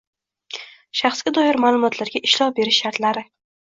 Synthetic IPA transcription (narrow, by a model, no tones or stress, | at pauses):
ʃaχsɡʲad̪ɒjɪɾmaːlˠʊmɒt̪ʰlaɾɡʲaɪʃlɒʁbe̞ɾɪʃːaɾt̪laɾɪ